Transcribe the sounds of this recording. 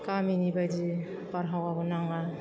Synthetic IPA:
kaminibajd͡ʒi | paɾɦawabɔnaŋa

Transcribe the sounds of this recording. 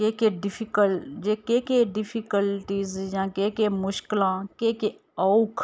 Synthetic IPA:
kekeɖɪfʰikəld͡ʒekekeɖɪfʰikəlʈiːzjãːkekemʊʃkɪlãːkeːke | ɔʊkʰ

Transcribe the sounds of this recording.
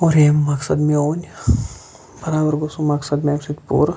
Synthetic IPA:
oɾeːmːɐksɐd̪meoːnʲ | bɐɾaːbɐɾɡosumɐksɐd̪meksit̪pṵːɾ

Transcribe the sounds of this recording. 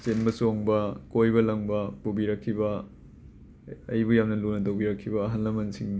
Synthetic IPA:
senbɐsoŋbɐkojbɐlɐŋbɐpobiɾɐkʰːibɐ | ɐjbujamnɐlunɐtɐwbiɾɐkʰːibɐːɦɐnlɐmɐnsiŋ

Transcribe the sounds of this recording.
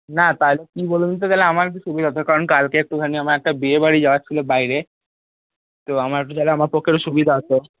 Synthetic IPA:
nat̪aɦlekibolunt̪ot̪aleamaɾk̬iʃubid̪aɦot̪ʰekaɾɔnkalkeek̚ʈukʰaniamaɾɛk̚ʈabeebaɽid͡ʑawat͡ɕʰilobajɾe | t̪oamaɾek̚ʈut̪aleamaɾpɔkeɾoʃubid̪ʱaɔtʰo

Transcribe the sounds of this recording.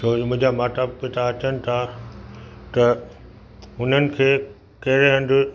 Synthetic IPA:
soːmʊ̃ɦɪ̃ɲd͡ʑamaːʈaːpːet̪ʰaːt͡ɕənɪ̆t̪ʰa | t̪ɐ | ɦʊn̤ənɪ̆kʰeː | kɐɦɪɾeɦɐ̃nd̪ʊ

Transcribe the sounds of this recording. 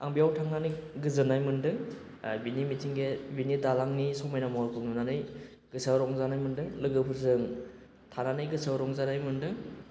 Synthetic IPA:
a̰ŋbijawtʰaŋnanɯɡɯzɯnajmɯndɯŋ | binimitʰiŋɡebinidalaŋnisɔmajnamalkʰɯnunanɯj | ɡ̥ɯsaɾɔŋzanajmɯndɯŋlɯɡɯpʰɯɾzɯŋ | tʰananɯjɡɯsawɾɔŋzanajmɯndɯŋ

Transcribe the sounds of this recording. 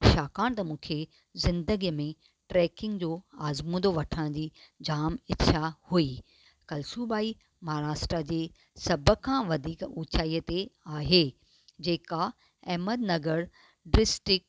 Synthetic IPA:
ʃaːkaːɽ̃t̪ɐmũːkʰe | zɪ̃nd̪əɡijəmẽ | ʈɾɛːkɪ̃ŋɡd͡ʑoːaːzmũd̪oʋɐʈʰəɽ̃d͡ʑiːd͡ʑaːmɪtːʰahui | kɐlsuːbaːi | mɐɦɾaːʃʈɾad͡ʑeː | sɐbəkʰãʋɐd̪ʱiːkuːt͡ɕʰaːijət̪eaːɦe | d͡ʑeːka | ɛɦməd̪nɐɡəɾ | ɖɾɪsʈɪk̚

